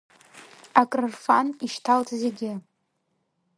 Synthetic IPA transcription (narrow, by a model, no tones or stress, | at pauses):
akʼrɨrfaniʃtʰaltʰzeɡʲɪ